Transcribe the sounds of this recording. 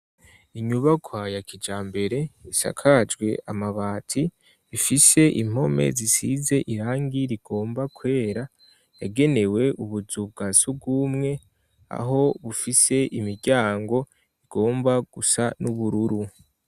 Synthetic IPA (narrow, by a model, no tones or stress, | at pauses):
iɲuβakʰwajakid͡ʒaːmbe̞ɾe̞isa̰kʰad͡ʒɡwe̞ʔamaβaːtʰiː | fise̞ʔḭm̥ho̞me̞̰zisize̞ʔiɾaːŋɡiɾiɡ̥o̞ːmbakwe̞ːɾa | jaɡe̞ne̞we̞ʔuβuzub̚ɡaːsub̚ɡumŋe̞ | a̰ɦo̞βufise̞ʔimiɾɟaːŋɡo̞ | iɡ̥o̞ːmbaɡ̥usanuβuɾuɾu